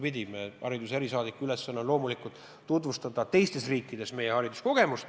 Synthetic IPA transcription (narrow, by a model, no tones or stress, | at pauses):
pid̪ʲimeɑ̰ɾid̪useɾisɑːd̪ikːˑuylesːɑnːɑlo̞ːmulikult̪ˑː | ut̪vust̪ɑd̪̥ɑt̪e̞jst̪e̞sriːkːˑid̪̥e̞sme̞jeɦɑɾid̪̥usko̞ɡ̥e̞must̪